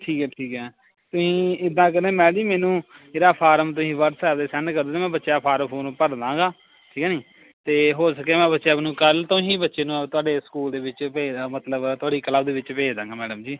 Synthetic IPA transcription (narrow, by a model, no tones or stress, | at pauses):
ʈʰiːkɛːʈʰiːkɛː | t̪ʊsĩːɪd̪ãːkəɾẽːmɛ̃ːd͡ʒiːmɛːnũːɾaːpʰaːɾəmt̪̬ʊsĩːʋəɾsɛːbd̪eːsɛnkəɾd̪eːeːmɛ̃ːbətːʃeaːpʰaːɾmpʰoːnũːpəɾd̪ãːɡaː | ʈʰiːkːnĩː | t̪eːɦoːsəkːeːmɛ̃ːbətːʃebnũːkəlt̪ʊɦĩːbətːʃeːnũːt̪ʊaːɖeːsə̥kuːld̪eːʋɪt͡ʃpeːmət̪ləbt̪ʊaːɖiːkəlaːbd̪eːʋɪt͡ʃpeːd͡ʒd̪ãːŋɡaːmɛːɖəmd͡ʒiː